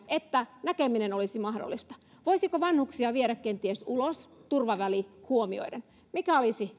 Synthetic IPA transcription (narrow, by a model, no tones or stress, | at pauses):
et̪ːænækeminenolisimɑhdo̰lːˑist̪ɑ̥ | ʋoisikoʋɑnhuksiɑʋieɾækːent̪iesulost̪urʋɑʋælihuomio̰iden | mikæolisi